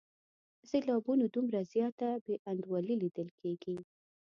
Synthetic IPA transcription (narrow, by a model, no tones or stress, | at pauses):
z̥elɑbunod̪umɾazjɑt̪abeʔand̪wɑlilid̪əlkʰeɡi